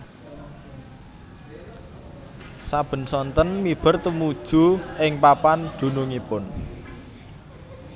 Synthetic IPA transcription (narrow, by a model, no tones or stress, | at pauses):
sab̥ə̤nsɔnt̪ənmib̥ə̤rt̪əmud̥ʒ̥ṳʔɪŋpapand̪̥ṳnuŋipʊn